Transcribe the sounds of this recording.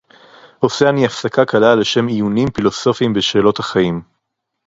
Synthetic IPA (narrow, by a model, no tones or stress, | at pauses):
o̞seaniafsakakʰalale̞ʃe̞mijunimfilo̞so̞fimbeʃe̞ːlo̞thaχajim